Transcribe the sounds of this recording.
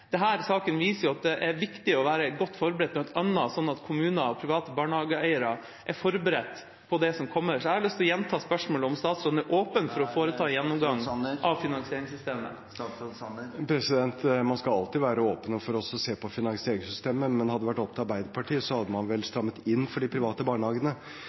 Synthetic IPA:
d̪̥ɛɦæːɾsɑːkənʋiːsəɾjʊɑt̪̚d̪ɛʔɛɾʋɪkt̪ɪɔʋæːɾəɡɔt̪ːfɔɾbəɾɛt̪mɛnɔt̪ɑnːɑsɔnːɑt̪kʰʊmʉːnɑɔpʰɾɪʋɑːt̪əbɑːɳəhɑːɡəæɪəɾɑ | ʔæɾfɔɾbəɾɛt̪ː | pʰɔd̪ɛsɔmkʰɔmːəɾʂɔæɾɑlʏst̪ɔjɛnːt̪ʰɑːspœʂmoːləɔmst̪ɑːt̪sɾɔd̪næɾʔoːpənfɔɾɔfoːɾəɑːjɛnːɔmɡɑŋːɑʋfɪnɑŋsɪeːɾɪŋsʏst̪eːmə̰ | pʰɾɛsɪd̪ɛnt̪mɑnskɑɑ̰lt̪ɪːʋæːɾəoːpənəfɔɾɔsɔseːpɔfɪnɑŋseːɾɪŋsʏst̪eːməmɛnhɑd̪ːəʋæʈːɔpt̪ɑɾbæɪd̪əpʰɑʈʰiːəsɔhɑd̪ːəmɑnʋɛlst̪ɾɑmːət̪ɪnːfɔɖɪpʰɾɪʋɑːt̪əbɑːɳəhɑːɡənə

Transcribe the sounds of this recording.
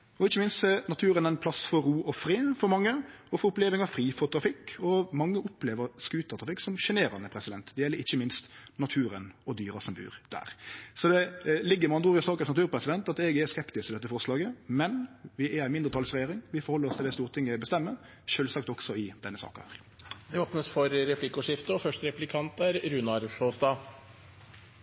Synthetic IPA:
ɔɪçːəmɪnst̪sɛnɑt̪ʰʉːɾənæɪnpʰlɑsfɔɾːuːʔɔfɾeːfɔɾmɑŋːəɔfɔɾʊpleːʋɪŋɑʋfɾiːfɔt̪ɾɑfɪkːɔmɑŋːəʊpleːʋəɾskʉːt̪ɑt̪ʰɾɑfɪkːsɔmʂɛneːɾɑnəpʰɾɛsɪd̪ɛnt̪d̪ɛjɛlːəɾɪçːəmɪnst̪nɑt̪ʰʉːɾənɔd̪yːɾɑsɔmbʉ̰ːɾd̪̥æ̰ːɾsɔd̪ɛlɪɡːəɾmɑnd̪ʁuːʁɪsɑːkənsnɑt̪ʉːɾpʰɾɛsɪd̪ɛnt̪ɑt̪ɛɡəɛskɛpt̪ɪsɪd̪ɛt̪ːəfɔʁslɑːɡəmɛnʋɪɛæɪmɪnd̪ʁət̪ʰɑlsʁɛjeːɾɪŋʋɪfɔɾhɔlːɾɔst̪ɪlæst̪uːʁt̪ʰɪŋːəbəst̪ɛmːə | ʃøːlsɑkt̪ɔksɔɪd̪ɛnːəsɑ̰ːkɑhæ̰ːɾ | d̪ɛoːpnəsfɔɾɾɛpʰlɪkːʊʂɪft̪əɔfœʂʈɾɛplɪkʰɑnt̪æɾɾʉnɑɾʂoːsd̪ɑ

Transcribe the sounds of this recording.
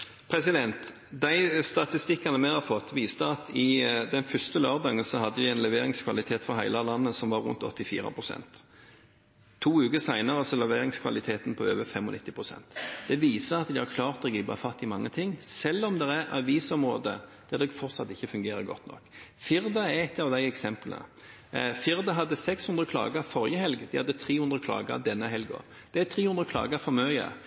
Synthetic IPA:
pʰɾɛsɪd̪ɛnt̪ | d̪æɪst̪ɑt̪ɪst̪ɪkːɑnəmæɪhɑɾfɔt̪ːʋiːst̪əɑt̪ɪd̪ɛnfœst̪əløːʁd̪ɑːɡənsɔhɑd̪ːəd̪ɪɛɪnlɛʋeːɾɪŋskʰʋɑlɪt̪ʰeːt̪fɔɦæɪlɑlɑnːəsɔmʋɑɾʉ̰nt̪ɔ̰t̪ːɪfḭːɾɑ̰pʰɾʊsɛ̰nt̪ | uːʉːkəsæɪnɑɾəsɔlɛʋeːɾɪŋskʰʋɑlɪt̪ʰeːt̪npʰɔøːʋəfɛmɔnɪt̪ːɪpʰʁʊsɛ̰nt̪d̪ɛʋiːsəɾɑt̪d̪ɪhɑkʰlɑːʁt̪d̪ɛɡɪb̪ɑ̰fɑt̪ːɪmɑŋːət̪ʰɪŋːsɛlːɔmd̪ɛɾæɾɑ̰ʋiːsɔmʁoːd̪ə̰d̪̥ɛd̪ɛɡfɔɾt̪sɑt̪ːɪçːəfʉŋɡeːɾəɡɔ̰t̪ːnɔ̰kfɪɾd̪ɑɛɛt̪ːɑʋd̪æɪɛksɛmplə̰ | fɪɾd̪ɑɦɑd̪ːəsɛkshʉnd̪ʁəkʰlɑ̰ːɡəfɔɾjəhɛlɡd̪ɪhɑd̪ːət̪ʰɾiːhʉnd̪ɾəkʰlɑ̰ːɡə̰d̪ɛnːəɦɛlɡo̰ | d̪̥ɛæt̪ʰɾiːhʉnd̪ɾəkʰlɑ̰ːɡəfɔmøːɡə̰

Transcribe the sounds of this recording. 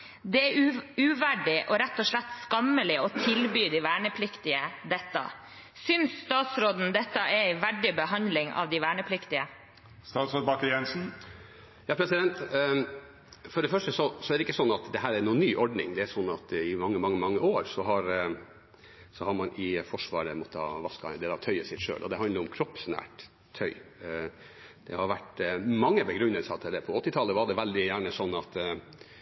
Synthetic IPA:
d̪ɛæʉʋæɖɪʔɔɾæt̪ːɔʂɭæt̪ːskɑmːəlɪɔt̪ʰɪlbyːd̪ɪʋæːɳəpʰlɪkt̪ɪəd̪ɛt̪ːɑ̰ | sʏnsːt̪ɑːt̪sɾoːd̪n̩d̪ɛt̪ːɑʔɛɾɪʋæɖɪbəɦɑnd̪lɪŋɑ̰ʋd̪ɪʋæːɳəpʰlɪkt̪ɪə | st̪ɑːt̪sɾoːd̪̚bɑkəɾjɛnsn̩ | jɑːpʰɾɛsɪd̪ɛnt̪ | fɔɖɛfœʂʈəsɔsɔɛɾd̪ɛɪkːəsɔnːɑt̪d̪ɛɦæːɾæɾnuːnːyːʔɔɖnɪ̰ŋd̪ɛæɾsɔnːɑt̪ɪmɑŋːəmɑŋːəmɑŋːəoːɾsɔɦɑɾ | sɔhɑɾmɑnʔɪfɔʂʋɑːɾəmɔt̪ːəhɑ̰ʋɑskɑd̪ɛd̪ɑt̪ʰœʏəsɪkʂø̰ːlʔɔd̪ɛɦɑnəɾʊmkʰɾɔpsnæ̰ːʈ | t̪ʰœʏ | d̪̥ɛhɑɾʋæʈmɑŋːəbəɡɾʏnːəlsɑt̪ʰɪld̪ɛpʰɔɔt̪ːɪt̪ʰɑːləʋɑɖɛʋɛld̪ɪjæːɳəsɔnːɑt̪

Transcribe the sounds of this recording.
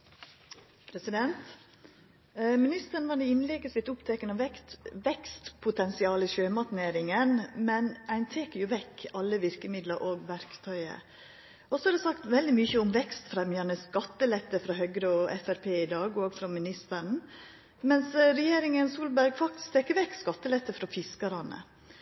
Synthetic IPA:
pʰɾɛsɪd̪ɛnt̪ | mɪnɪst̪əɳ̩ʋɑnɛɪnlɛɡəsɪt̪ːʊpt̪ʰɛkənɑʋɛkt̪ʋɛkst̪pʰʊt̪ʰɛnsɪɑːləiʃøːmɑt̪neːɾɪŋənmɛnæɪnt̪ʰeːkəɾjʊʋɛkːɑlːəʋɪɾkəmɪd̪ləɾʔoːɡʋæɾkt̪ʰœʏə̰ | ʔɔsɔhɑd̪ɛsɑkt̪ʋɛld̪ɪmyçəʊmʋɛkst̪fɾɛmjɑnəskɑt̪ːəlɛt̪ːəfɾɑːhœɡɾəɔʔɛ̰fæɾpʰeːɪd̪ɑːɡɔːɡfɾɔmɪnɪst̪əɾn̩ | mɛnsɾɛjeːɾɪŋənsuːlbæɾɡfɑk̚t̪ɪ̥skt̪ʰeːkːəɾʋɛkskɑt̪ːəlɛt̪ːəfɾɑfɪskɑɾɑnə̰

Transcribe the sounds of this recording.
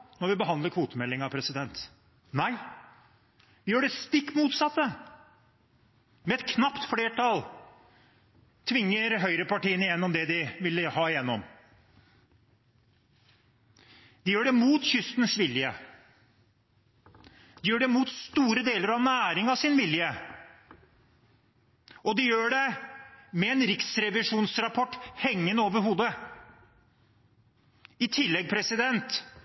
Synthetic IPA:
mɔʋɪbəɦɑnd̪ləkʰʋuːt̪əmɛlːɪŋɑpʰɾɛsɪd̪ɛnt̪ | næɪ | ʋɪjøːɖɛst̪ɪkːmuːt̪sɑt̪ːə | mɛɛt̪kʰnɑpt̪fleːʈʰɑl | t̪ʰʋɪŋːəɾɦœʏɾəpɑʈiːənɪjɛnːɔmd̪ɛd̪ɪʋɪlːəhɑːɪjɛnːɔm | d̪̥ɪjøːɖɛmuːt̪çʏst̪nsʋɪljə | d̪̥ɪjøːɖɛmuːt̪st̪uːɾəd̪eːləɾɑʋnæːɾɪŋɑʋsɪnʋɪljə | ʔɔd̪ɪjøːɖɛ | mɛɛːnɾɪksɾɛʋɪʂuːnsɾɑpʰɔʈːhɛŋːənəoːʋəɾɦuːd̪ə | ɪt̪ʰɪlːɛɡ̚pʰɾɛsɪd̪ɛnt̪

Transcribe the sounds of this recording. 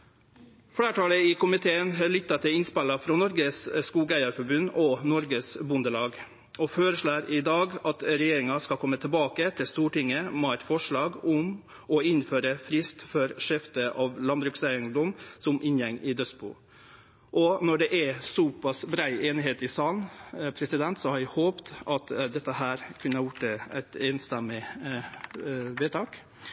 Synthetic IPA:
fɽæːʈʰɑːləɪkʊmɪt̪ʰeːənɦɑːɭɪt̪ːɑt̪ʰɛɪnspɛlːɑfɾɔnɔɾɡəsskuːɡæɪɑɾfɔbʉnːɔnɔɾɡəsbʉnd̪əlɑːɡ | ɔføːɾəʂɭæːɾɪd̪ɑːɡɑt̪ɾɛjeːɾɪŋɑskɑkʰɔmːət̪ʰɪlbɑːkət̪ʰɪlst̪uːʈɪŋːəmɛæt̪fɔʂɭɑːɡʊm | ɔɪnføːɾəfɾɪst̪fɔɾʂɛft̪əʔɑʋlɑnbɾʉksæɪənd̪ɔmsɔmʔɪnjɛŋːɪd̪œsbṵː | ʔɔnɔɖɛʔæsɔpɑsbɾæɪeːnɪɦeːt̪ɪsɑːnpʰɾɛsɪd̪ɛnt̪sɔhɑɾʋæhoːpt̪ɑt̪d̪ɛt̪ːəhæːɾkʰʉnəɑɾjʊʈːɛæ̰ɪt̪eːnst̪ɛmɪ | ʋeːt̪ʰɑːk

